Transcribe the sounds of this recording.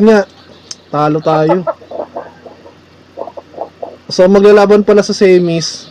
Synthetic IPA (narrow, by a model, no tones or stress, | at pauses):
ɲaʔ | t̪aːlot̪aːjo | somɐɡ̚lalaːbɐnpɐlasɐsɛjmis